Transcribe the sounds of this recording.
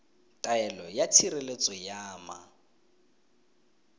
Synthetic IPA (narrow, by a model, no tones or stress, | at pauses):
tʼaɛlɔjatʰiɾelet͡sʼɔjaːma̰